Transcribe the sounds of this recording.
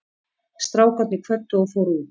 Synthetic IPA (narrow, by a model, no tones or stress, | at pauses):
st̪ɾaːwkat̪nɪkʰvœrt̪ːʏɔfowɾu